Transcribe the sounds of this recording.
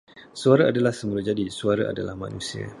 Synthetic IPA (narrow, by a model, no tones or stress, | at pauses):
suaɾaadalahsəmulad͡ʒadisuaɾaʔa̰dalahma̰nusia̰